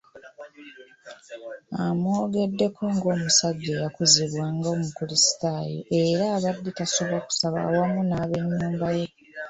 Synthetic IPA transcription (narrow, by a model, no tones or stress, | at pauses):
amo̞ɡe̞dːe̞kʰo̞ŋɡo̞ːmusaɟːe̞jakuziβwaːŋɡaomukulisi̥taːjo̰ʔe̞ɾaːβadːitasoβaku̥saβa̰ːwamunaːβe̞ɲːuːmbaje̞